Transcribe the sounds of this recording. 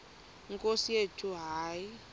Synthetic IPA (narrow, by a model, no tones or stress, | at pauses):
ŋkʼosijetʰʼuɦaːi